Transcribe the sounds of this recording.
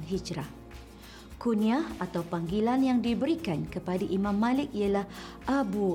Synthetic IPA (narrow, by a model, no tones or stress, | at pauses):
nɦid͡ʒɾah | kunĩaat̪awpaŋɡilanjaŋdibəɾikankəpadaʔimãmːãlɪk̚ijalah | ʔabu